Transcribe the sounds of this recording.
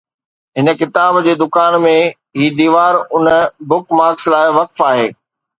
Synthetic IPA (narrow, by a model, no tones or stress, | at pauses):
ɦɪnə̆kɪt̪aːbd͡ʑeːd̪ʊkaːnmẽ | ɦiːd̪iːʋaːɾʊnəbʊkmaːɾkslaːɪʋɐkfaːɦeː